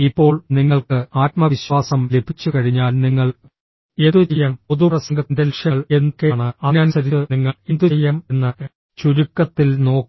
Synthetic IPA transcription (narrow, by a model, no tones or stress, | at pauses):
ipːo̞ːɭniŋːɐɭkɨaːt̪mɐʋiɕwaːsɐmle̞b̥ʱit͡ɕːukɐɻiɲːaːlniŋːɐɭ | e̞ːðut͡ɕejːaːmpoðuprɐsɐŋɡɐt̪ːindelʂjɐɭe̞nkːeːɳɨɐnaːnsɐɾiniŋːɐind̪uejːaːme̞nːɨ | t͡ɕuɾukːɐt̪ːilno̞ːkː